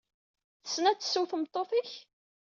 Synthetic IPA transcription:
θə̥sːnæt͡s̪ːə̥suθəmt̪ˤːoθiç

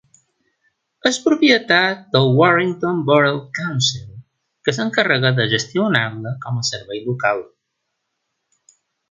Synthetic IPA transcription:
əspɾupjət̪at̪̚d̪əlˠwɔʃiŋt̪onbɔɾəlˠkawnsilˠ | kəsəŋkərəɣəðəʒəst̪iunaβləkɔməsəɾβɛjlukalˠ

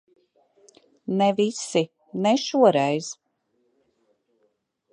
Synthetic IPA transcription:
nɛvisi | nɛʃuɔɾɛjz̥

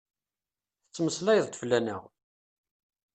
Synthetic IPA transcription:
θət͡sːməslæjðˤt̪əflænə̰ʁ

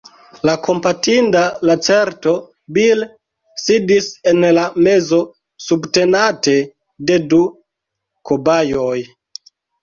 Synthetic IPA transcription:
lakʰo̞mpatindalat͡se̞ɾto̞ | bil | sidise̞nlame̞zo̞ | subte̞nate̞ | de̞du | kobajoj

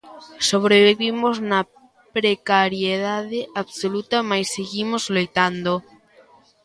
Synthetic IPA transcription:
soβɾeβiβimoznɐ | pɾekaɾjeðaðeʔaβsolut̪ɐmajsːeɣimozlojt̪and̪o

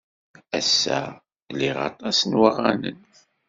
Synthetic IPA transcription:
æsːæ | lːiʁɑ̰t̪ˤɑsnwəʁːanə̰n

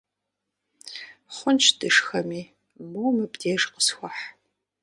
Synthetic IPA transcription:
χʷʊnt͡ʃʰd̥ɨʂxɐmiː | momɨbdeːʂqə̥sxʷɔħ

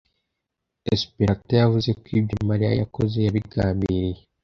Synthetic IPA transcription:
espeɾatojavuze̞kwiːbɟomaɾija̰ja̰ko̞ze̞jaβiɡaːmbiɾije

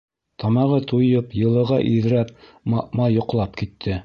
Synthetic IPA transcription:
t̪ʰɑmɑʁɤt̪ujɤpjɤ̆lˠɤ̆ʁɑʔiðɾæp̚ | mɑ̰ʔmɑjŏqlˠɑp̚kit̪ʰːɘ

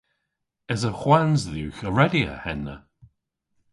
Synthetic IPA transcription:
əzəxwanzðuːxəɹɛdiə̰hɛnːə̰

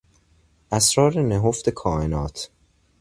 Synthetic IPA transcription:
ʔæsɾɒːɾeneɦoft̪e̞kʰɒːʔenɒːt̪ʰ

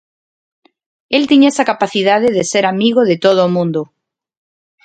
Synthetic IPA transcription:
elt̪iɲesakapaθiðaðeðeseɾamiɣ̞oðet̪oð̞oːmũnd̪o

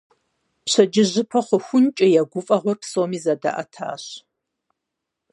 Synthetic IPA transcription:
pɕɐd͡ʒɪʑɪpʰɐχʷʊxʷʊnt͡ʃʼɪjɛɡʷʊfʼɐʁʷɔrpsoːmiːzɐda̰ʔɐ̰tʰa̰ːɕ

